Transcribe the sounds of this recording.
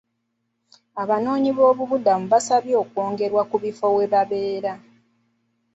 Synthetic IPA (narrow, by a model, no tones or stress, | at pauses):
aβano̞ːɲiβo̞ːβuβudamuβasaβjo̞ːkwo̞ːŋɡe̞ɾwakuβifo̞we̞βaβe̞ːɾa